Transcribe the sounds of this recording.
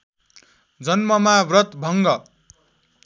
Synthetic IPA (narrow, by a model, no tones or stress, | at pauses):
d͡zʌnmʌmabrʌt̪bʱʌŋɡʌ